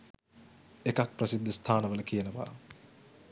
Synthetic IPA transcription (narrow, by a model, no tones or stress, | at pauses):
ekak̚prəsid̪ːəst̪ʰaːnəʋələkijənəʋa̰ː